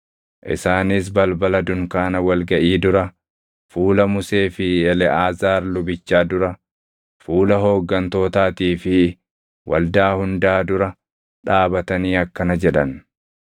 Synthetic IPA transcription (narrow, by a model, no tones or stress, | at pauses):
ʔɪ̰saːnɪs̬bɐlbɐlɐd̪ʊŋkaːnɐwɐlɡɐʔiːd̪ʊɾɐ | fuːlɐmʊseːfɪɛlɛʔaːzaːɾlʊbɪt͡ʃːaːd̪ʊɾɐ | fuːlɐɦo̞ːɡːɐnt̪o̞ːt̪aːt̪iːfɪ | wʔɐ̰ld̪aːhʊnd̪aːd̪ʊɾɐ | ᶑaːbɐt̪ɐniːɐkːɐnɐd͡ʒɛᶑɐn